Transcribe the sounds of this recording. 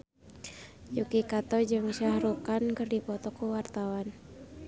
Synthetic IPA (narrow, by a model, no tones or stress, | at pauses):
jukikat̪ɔd͡ʒɨŋsahɾukankɨrdipɔt̪ɔkuwart̪awan